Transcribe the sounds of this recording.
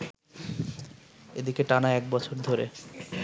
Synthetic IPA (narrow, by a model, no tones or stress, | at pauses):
ed̪ikeʈanaɛk̚bɔt͡ɕʰoɾd̪ʱoɾe